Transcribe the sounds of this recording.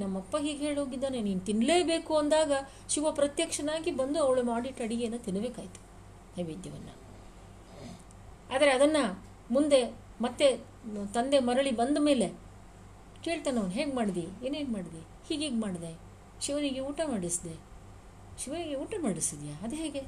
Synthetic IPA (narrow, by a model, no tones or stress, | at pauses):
nɐmːɐpːɐɦiːɡɦe̞ːɭɦoːɡid̪ːaːneniːnut̪inleːbe̞ːkuɐnd̪aːɡɐ | ʃiʋɐpɾɐt̪jɐkʂɐnaːɡibɐnd̪uɐʋɐɭumaːɽiʈɐɽiɡenːut̪inbe̞ːkaːjit̪u̥ | t̪ɐʋid̪jɐʋɐnːɐ̰ | aːd̪ɐɾeɐd̪ɐnːɐ | mund̪e̞ | mɐt̪ːe̞ | t̪ɐnd̪e̞mɐɾɐɭibɐnd̪ɐme̞ːle̞ | ke̞ːɭt̪aːnɐʋɐnɦe̞ːɡmaːɽid̪ieːnɦeːɡmaːɽid̪i | hiːɡeːɡmaːɽid̪e | ʃiʋɐniɡeuːʈɐmaːɽisd̪e | ʃiʋɐniɡeuːʈɐmaːɽisid̪ijaːɐd̪ɦeːɡe